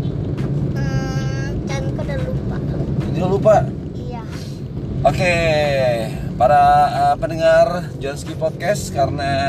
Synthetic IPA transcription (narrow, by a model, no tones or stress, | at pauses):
ə | kankədalupainialupa | ja | ʔoke | paɾaəpənəŋard͡ʒanskipɔt̪̚kɛskaɾəna